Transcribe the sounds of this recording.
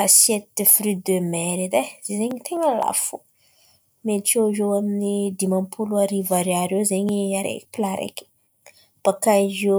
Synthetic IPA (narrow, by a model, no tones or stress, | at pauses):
asjet̪ifɾyd̪ømeɾid̪ez̥ezeɲit̪ʰeɲala̰fu | met͡ʃoʒowaminid̪imampʰuluaɾivaɾaɾewzeɲiaɾḛkpilaɾḛki̥ | b̥akazo